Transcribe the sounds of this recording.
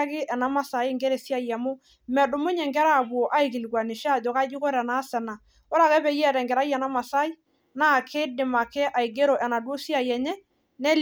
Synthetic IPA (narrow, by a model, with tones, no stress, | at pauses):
kɪ˦ʔɛ˨na˦ma˦sa˨ɪ˦ŋɡɛ˦ɾe˨si˦a˦jɛ˨mʊ˦ | mɛ˨dʊ˨mʊ˦ɲɛ˨ŋɡɛ˦ɾa˦˨bu˨o˨ʔa˦i˨ki˨lɡwa˨nɪ˨ʃa˦˨d͡ʒo˨ka˦d͡ʒʊ˦ko˦ɾɛ˨na˦sɛ˨na˨ | ɔ˦ɾa˨kɛ˦bɛ˨˦jɛ˦ɾɛ˨ŋɡɛ˨ɾa˦jɛ˨na˦ma˨sa˦ɪ˦ | na˦˨kʰɪ˦dɪ˨ma˨kɛ˦ʔa˨i˨ɡe˦ɾo˨ʔɛ˨na˨do˦si˦a˨jɛ˨ɲɛ˦ | nɛ˦l